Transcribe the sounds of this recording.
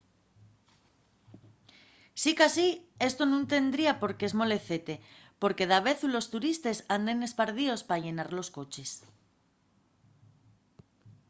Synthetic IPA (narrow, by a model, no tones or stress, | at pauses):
sikasie̞st̪onũnt̪e̞nd̪ɾiapo̞ɾkeezmo̞le̞θe̞t̪e̞po̞ɾke̞ðaβ̞e̞θulo̞st̪uɾist̪e̞sand̪e̞ne̞spaɾð̞io̞spaʝe̞naɾlo̞sko̞t͡ʃe̞s